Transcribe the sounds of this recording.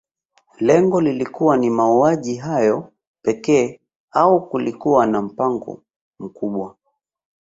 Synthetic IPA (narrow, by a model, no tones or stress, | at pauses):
lɛŋɡɔlilikuwanimauaʄiɦajɔ | pɛkɛː | aukulikuwanam̩paŋɡɔ̰ | m̩kuɓwa